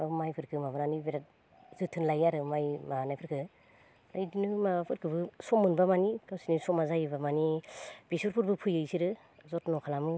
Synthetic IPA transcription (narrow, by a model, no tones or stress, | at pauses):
abmajpʰɯɾkʰɯmabɯɾanibiɾat̚ | zɯtʰɯnlajaɾɯmajmaanajpʰɯɾkʰɯ | ajdinɯmapʰɯɾkʰɯbɯsɔmɯnbamanikasinisɔmazajbamanib̥isuɾpʰuɾbɯpʰujɯjsiɾɯ | zɔtnɔkʰalamɯ